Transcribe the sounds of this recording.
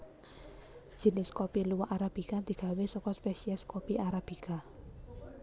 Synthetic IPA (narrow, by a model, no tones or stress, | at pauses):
ʒ̥i̤nɪskɔpiluwaʔaɾab̥i̤kad̪̥i̤ɡ̥ä̤wesɔkɔspesiɛskɔpiʔaɾab̥ika